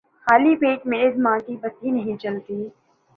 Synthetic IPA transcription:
xaːlipeːʈmeːɪzmãːkibɐt̪ɦinɐɦĩt͡ʃɐlt̪iː

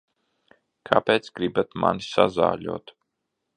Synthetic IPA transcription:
kʰapeːt̪sɡɾibat̪ma̰nsaza̰ːʎʲṵːt̪

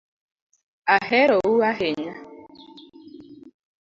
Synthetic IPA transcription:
aɦeɾowuaɦeɲa

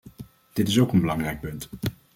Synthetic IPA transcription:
d̥ɪtɪsowkənbəlɑŋrɛjk̚pɵnt

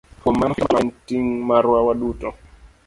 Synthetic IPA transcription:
pɔmanamantiŋmaɾwawaɗutɔ

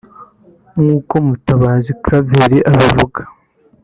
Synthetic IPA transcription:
ŋuːko̞mutaβaːzikɾaveɾiʔaβivuɡḁ

